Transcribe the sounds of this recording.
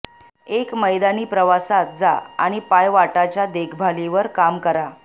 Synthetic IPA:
ekməjd̪aniːpɾəʋasat̪̚d͡za̰a̰ɽ̃ipajʋaʈat͡ɕjad̪ekʰbʱaliʋəɾkamkəɾa

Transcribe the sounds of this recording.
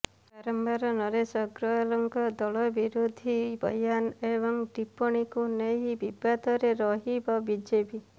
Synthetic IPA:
paɾɔmbaɾɔnɔɾesɔɡɾɔlɔŋkɔd̪ɔɭɔbiɾud̪ʱibʱɔ̰janebɔŋʈipɔɽ̃ikuneɦibibat̪ɔɾeɾɔɦibabid͡ʒepi

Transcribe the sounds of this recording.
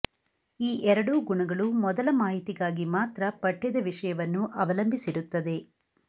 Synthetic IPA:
iːʔɛɾɐɽuɡuɳɐɡɐɭumɔd̪ɐlɐmaːɦit̪iɡaːɡimaːt̪ɾɐpɐʈːɛd̪ɐʋiʂɐjɐʋɐnːuʔɐʋɐlɐmbʱisiɾut̪ːɐd̪e̞

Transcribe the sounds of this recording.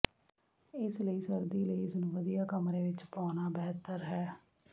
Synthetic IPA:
ɪsləiːsəɾd̪iːləiːsʊnʋəd̪ijaːkəmɾẽːʋɪt͡ʃpaːnaːbɛːt̪əɾɦɛː

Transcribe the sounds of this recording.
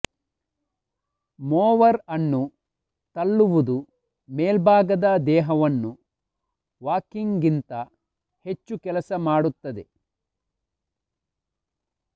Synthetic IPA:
mɔːʋɐɾɐnːu | t̪ɐɭːuʋud̪u | meːlbʱaːɡɐd̪ɐd̪ɛːɦɐʋɐnːu | ʋaːkiŋɡint̪ɐ | he̞t͡ʃːukɛlɐsɐmaːɽut̪ːɐd̪e

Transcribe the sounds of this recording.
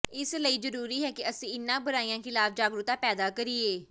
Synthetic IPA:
ɪsləiːzəɾuːɾiːɦɛːkɪəsĩːɪnːãːbəɾaːiːãːkʰɪlaːfd͡ʒaːɡɾʊt̪ãːpɛːd̪aːkəɾiːeː

